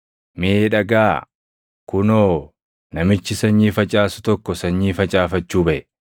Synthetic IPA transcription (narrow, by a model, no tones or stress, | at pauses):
mɪeːᶑɐɡaː | kʊnoː | nɐmɪt͡ʃːɪsɐɲːiːfɐt͡ʃʼaːsʊ̥t̪ɔkːɔsɐɲːiːfɐt͡ʃʼaːfɐt͡ʃːuːbɐʔɛ